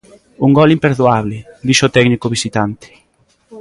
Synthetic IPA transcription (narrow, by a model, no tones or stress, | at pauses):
uŋɡɔlimpeɾðuaβlɪd̪iʃot̪ɛɡnikoβisit̪ant̪ɪ̥